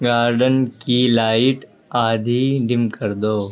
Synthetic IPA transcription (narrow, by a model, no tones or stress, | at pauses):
ɡaːɾɖənkilaːɪʈ | aːd̪ʱiɖɪmkəɾd̪oː